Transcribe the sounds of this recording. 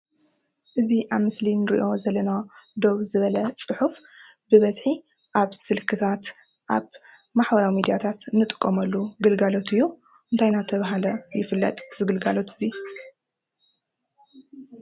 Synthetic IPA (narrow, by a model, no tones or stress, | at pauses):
ʔɨziʔaβmɨslinɨɾḭʔo̞zɐlɐnad̪o̞βzɨβɐlɐt͡sʼɨħuf | bɨβɐzħi | ʔaβsɨlkʰɨt̪ʰat̪ | ʔaβ | maħbɐɾawimid̪ijat̪ʰat̪nɨt̪ʼɨ̥kʼːɐmɐlːuɡɨlɡalo̞t̪ʰɨjːu | ʔɨnt̪ʰajnat̪ʰɐβaɦalɐjɪfɨlːɐ̰t̪ʼz̥ɨɡɨlɡalo̞t̪ʰɨzi